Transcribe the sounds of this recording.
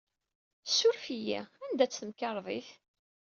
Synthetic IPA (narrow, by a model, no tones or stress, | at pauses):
sːʊɾfijæ̰ænd̪æt͡sːθəmkɑɾˤðˤiθ